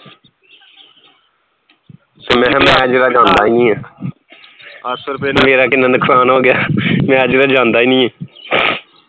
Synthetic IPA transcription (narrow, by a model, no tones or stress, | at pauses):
t̪eːmɛ̃ːmɛ̃ːəd͡ʒɾaːd͡ʒãːnd̪aːiːnĩːɛ̃ː | əsəɾpenemeːɾaːkɪnːãːnɪkʰsaːnoːɡɪjaːmɛ̃ːəd͡ʒɾaːd͡ʒãːnd̪aːiːnĩːɛ̃ː